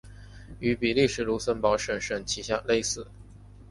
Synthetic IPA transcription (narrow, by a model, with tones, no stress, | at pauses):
y˧˥pi˨˩li˥˩ʂɻ̩˨˩lu˧˥sə˥npɑ˧˥ʊʂə˨˩nʂə˨˩nt͡ɕʰi˧˥ɕja˥˧le˥˧ɪsɹ̩˥˩